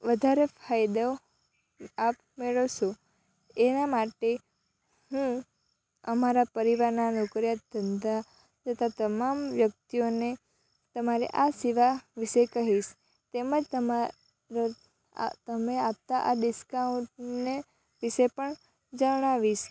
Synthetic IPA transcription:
ʋəd̪ʱaɾefʰajd̪a | ap | meɭəʋʃo | enamaʈe | hũ | əmaɾapəɾiʋaɾnanokɾjat̪̚d̪ʱənd̪a | d͡ʒət̪ʰat̪əmamʋjək̚t̪ione | t̪əmaɾḛʔasiʋaʋiʃekəɦiʃ | t̪eməd͡ʒt̪əma | ɾo̰ | t̪əmeap̚t̪aʔaɖɪskaũɳʈne | ʋiʃepəɳ | d͡ʒəɽ̃aʋiʃ

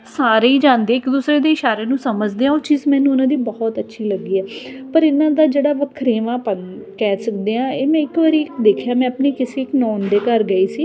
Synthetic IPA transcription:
saːɾeːiːd͡ʒãːnd̪eːɪkd̪uːsɾeːd̪eːɪʃaːɾeːnũːsəməd͡ʒd̪eːãːoːt͡ʃiːzmɛ̃ːnũːʊnãːd̪iːbɔːɔt̪ətːʃʰiːləɡːiːɛːpəɾɪnãːd̪aːd͡ʒeːɽaːʋəkʰɾeːʋãːpənkɛːsəkd̪eːãːeːmɛ̃ːɪkʋaːɾiːd̪eːkʰjaːmɛ̃ːəpneːkɪsiːɪknɔːnd̪eːkəɾɡəiːsiː

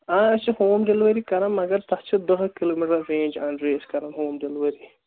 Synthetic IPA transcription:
aːəst͡ʃʰihoːmɖelʋɐɾikɐɾɐnmɐɡɐɾt̪ɐt͡ʃʰid̪əɦkiloːmiʈɐːẽːnʲd͡ʒɐɳɖɾeːskɐɾɐnɦoːmɖelʋɐɾi

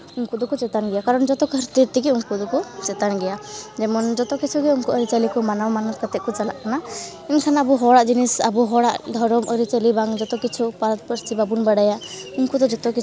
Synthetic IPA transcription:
uŋkud̪ɔkɔt͡ʃɛt̪anɡɛjakaɾɔnd͡ʒɔt̪ɔkəɾt̪it̪ikiuŋkud̪ɔkut͡ʃɛt̪anɡɛjad͡ʒɛmɔnd͡ʒɔt̪ɔkit͡ʃʰuɡɛuŋkuəɾit͡ʃalikɔmanamanɔt̪kət̪ɛʔ̚kɔt͡ʃala̰ʔkana | ɛnkʰanaəbuɦɔɽaʔd͡ʒinisa̰buɦɔɽaʔd̪ʱɔɾɔmʔəɾit͡ʃalibaŋd͡ʒɔt̪ɔkit͡ʃʰupaɾɔt̪̚pəɾt͡ʃibabunbəɽajauŋkud̪ɔd͡ʒɔt̪ɔkit͡ʃʰ

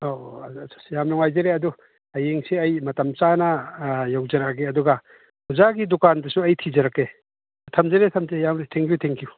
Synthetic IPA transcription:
osʰḁsjamnɔŋajzɐɾeɐdu | ɐjeŋsiɐjmɐtɐmt͡ʃanɐjawzɐɾakeɐduɡɐ | huzaɡidukandɐsuɐjtʰizɐɾakːe | tʰɐmzɐɾetʰɐmzejamɾetʰɛŋkjutʰeŋkju

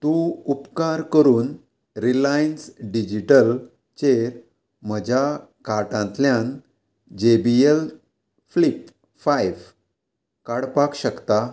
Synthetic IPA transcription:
t̪ũupkaɾkəɾuːn | ɾilainsɖid͡ʑiʈəl | t͡ɕeɾ | m̤əd͡ʑʱa | kaʈãnt̪ljãn | d͡ʑebiel | flip | fajʋ | kaɽpakɕəkt̪a

